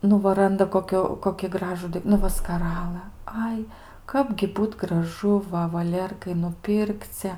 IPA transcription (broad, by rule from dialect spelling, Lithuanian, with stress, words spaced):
ˈnʊ ʋɐ ˈrɐndɐ koːˈkʲʊ koːkʲɪ ˈɡrɑːʒʊ nʊ ˈʋɐ skɐˈrɑːlˠɘ ˈɐɪ ˈkɑːbʲɡʲɪ ˈbuːt ɡrɐˈʒʊ ˈʋɐ ʋɐˈlʲeːrkɐɪ nʊˈpʲɪrkt͡sʲɛ